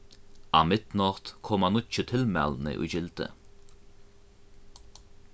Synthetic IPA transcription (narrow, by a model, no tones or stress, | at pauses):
ɑːmɪd̪̥nɑt̪kʰɔmɑnʊt͡ʃət̪ʰɪlmɛ̰ln̩ə̰ʔṵːd͡ʒɪlt̪ə̰